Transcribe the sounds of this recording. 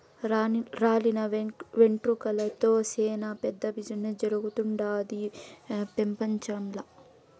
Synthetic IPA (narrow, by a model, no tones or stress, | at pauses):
ɾaːlinɐʋeɳʈɾukɐlɐt̪oːseːnɐpɛd̪ːɐbid͡ʒuned͡ʒɐɾuɡut̪uɳɖaːd̪ipempɐɲt͡ʃɐmlɐ